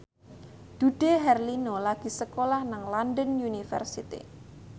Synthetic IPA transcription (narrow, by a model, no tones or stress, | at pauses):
d̪̥ṳɖ̥eɦɛrlinolaɡ̥i̤səkolahnaŋlanɖənjunifɛ̰rsit̪ḭ